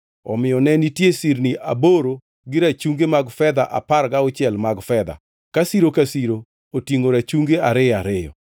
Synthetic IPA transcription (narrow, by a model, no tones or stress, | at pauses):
ɔ̰mɪjɔnɛnitjesiɾniʔa̰boɾo | ɡɪɾat͡ʃuŋɡemaɡfɛd̪aʔa̰paɾɡaɔt͡ʃɛlmaɡfɛd̪a̰ | kasiɾokasiɾo | otiŋoɾat͡ʃuŋɡeaɾɪaɾɪjɔ̰